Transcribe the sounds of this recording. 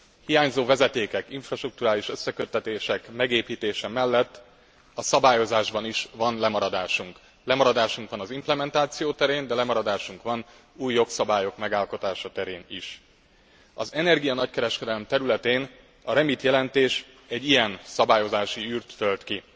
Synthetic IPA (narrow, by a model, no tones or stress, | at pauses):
hijaːɲzoːvɛzɛt̪eːkɛkiɱfrɒʃt̪ruk̚t̪uɾaːliʃø̞sːɛkø̞t̪ːɛt̪eːʃɛkmɛɡeːpiːt̪eːʃɛmɛlːɛt̪ː | ɒsɒbaːjo̞zaːʒbɒniʃvɒnlɛmɒɾɒd̪aːʃuŋk | lɛmɒɾɒd̪aːʃuŋkʋɒnɒzimplɛmɛnt̪aːt̪sijoːt̪ɛɾeːnd̪ɛlɛmɒɾɒd̪aːʃuŋkʋɒn | uːjːo̞ksɒbaːjo̞kmɛɡaːlko̞t̪aːʃɒt̪ɛɾeːniʃ | ɒzɛnɛrɡijɒnɒckɛɾɛʃkɛd̪ɛlɛmt̪ɛɾylɛt̪eːn | ɒɾɛmit̪jɛlɛnt̪eːʃ | ɛɟːijɛnsɒbaːjo̞zaːʃiyːrt̪ːølt̪ki